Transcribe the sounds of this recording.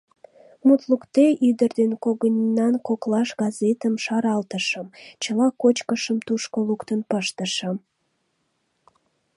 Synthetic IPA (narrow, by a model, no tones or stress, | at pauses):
mut̪lukt̪eʔyd̪ərd̪enkoɣənʲinːɑnkoklɑʃɣɑzet̪əmʃɑɾɑlt̪əʃəmt͡ɕəlɑkot͡ɕkəʃəmt̪uʃkolukt̪ənpəʃt̪əʃə̆m